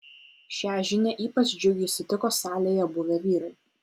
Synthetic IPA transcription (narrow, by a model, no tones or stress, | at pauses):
ʃʲæːʒʲɪnʲɛʔiːpɐt͡ʃd͡ʒʲʊɡʲɪʃʲsʲɪt̪ʲɪkoːsɑːlʲeːjɛbʊʋʲɛʋʲiːɾɐɪ